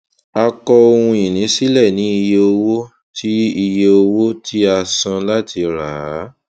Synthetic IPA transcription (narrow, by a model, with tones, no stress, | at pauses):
a˧kɔ˧o˧hũ˧ĩ˨nĩ˨˦si˦lɛ˦˨nĩ˨˦i˧je˧o˧wo˦ | tʰi˦i˧je˧o˧wo˦tʰi˦a˧sã˧la˦tʰi˧ɾa˨˦